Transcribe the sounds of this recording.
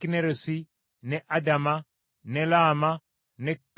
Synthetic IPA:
ineɾosi | nɛʔadama | nɛlaːma | nɛk

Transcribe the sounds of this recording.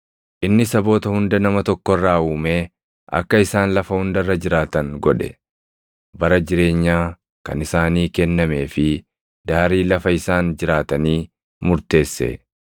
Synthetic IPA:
ʔɪnːɪsɐbo̞ːt̪ɐhʊnd̪ɐnɐmɐt̪ɔkːɔrːaːuːmeː | ʔɐ̰kːɐɪsaːnlɐfɐhʊnd̪ɐrːɐd͡ʒɪɾaːt̪ɐŋɡɔᶑɛ | bɐɾɐd͡ʒɪɾe̞ːɲːaː | kɐ̰nɪsaːniːkɛnːɐme̞ːfɪ | d̪aːɾiːlɐfɐɪsaːnd͡ʒɪɾaːt̪ɐniː | mʊɾt̪e̞ːsːḛ

